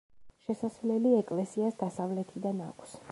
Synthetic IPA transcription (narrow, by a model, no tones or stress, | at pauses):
ʃɛsasvlɛliɛkʼlɛsiasd̪asavlɛt̪ʰid̪anakʷʰs